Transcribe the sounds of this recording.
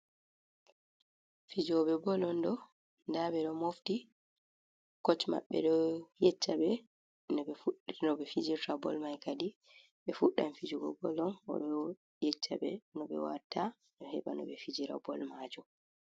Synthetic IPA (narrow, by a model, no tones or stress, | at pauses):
fid͡ʒɔɓɛbɔlɔndɔ | ndaɓɛɗɔmofti | kɔt͡ʃma̰ɓːɛ̰ɗɔjɛt͡ʃːaɓɛ | nɔɓɛfunɔbɛfid͡ʒiɾtabɔ̰lmajkadi | ɓɛfuɗːanfid͡ʒɔɡɔ̰bɔlɔnɔ̰ɗɔ | jɛt͡ʃːa̰bɛ̰nɔɓɛ̰wa̰tʰa | nɔhɛ̰ɓanɔ̰ɓɛfid͡ʒiɾa̰bɔ̰lmad͡ʒu